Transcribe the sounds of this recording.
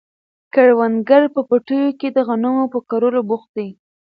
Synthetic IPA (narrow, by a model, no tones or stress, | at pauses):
kaɽwand̪ɡaɾpəpaʈəjoked̪əɣanəmopəkaɾolobʊxt̪̚d̪ej